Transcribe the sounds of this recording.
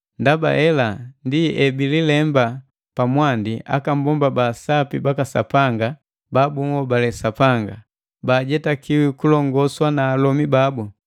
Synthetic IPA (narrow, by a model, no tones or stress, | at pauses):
ndaba̰ʔɛlandiɛbililɛmba | pamwandia̰kam̩bɔmbabasapibakasa̰paŋɡa | babuŋɔbalɛsapaŋɡa | baːɟɛtakiwikulɔŋɡɔswanaːlɔmibabu